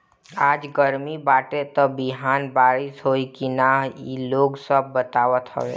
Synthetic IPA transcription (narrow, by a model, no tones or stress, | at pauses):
aːd͡ʒɡəɾmibaːʈet̪əbɪɦaːnbaːɾɪsɦoːikinaɦiloːɡsəbːət̪aːwət̪ɦə̰ʋḛː